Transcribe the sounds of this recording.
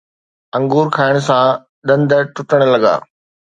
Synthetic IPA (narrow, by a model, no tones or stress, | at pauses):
ɐ̃ŋɡuːɾkʰaːɪɽ̃sã | ɗ̪ɐ̃nd̪ʱəʈʊʈəɽ̃lɐɠa̰ː